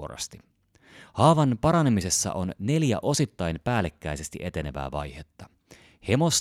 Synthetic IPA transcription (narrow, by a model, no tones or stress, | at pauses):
oɾɑ̰st̪i̥ | hɑːʋɑnpɑɾɑne̞mise̞sːɑ̰ʔo̞nne̞ljæ̰ʔo̞sit̪ːɑjnpæːlːekːæjse̞st̪iʔe̞t̪e̞ne̞ʋæ̰ːʋɑ̰jhet̪ːɑ | he̞ʋo̞s